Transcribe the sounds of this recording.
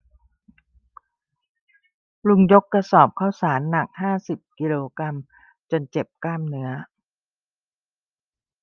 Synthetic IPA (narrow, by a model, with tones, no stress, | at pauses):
lu˧ŋjo˦˥kːɾa˧sɔː˨˩p̚kʰa˥˩wsaː˩˦nːa˨˩k̚haː˥˩si˨˩p̚ki˧loː˧kɾa˧m | t͡ɕo˧nt͡ɕe˨˩p̚kaː˥˩mnɯ˦˥ɐ